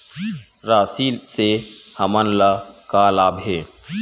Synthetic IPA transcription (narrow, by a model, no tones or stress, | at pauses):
ɾaːsiːlsehɐmənlakaːlaːbʱɦeː